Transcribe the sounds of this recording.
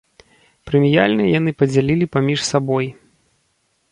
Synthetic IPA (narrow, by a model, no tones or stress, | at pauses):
pɾɨmʲija̰lʲnɐjan̪ɨpɐd͡zʲalʲilʲipamʲiʂsabɔj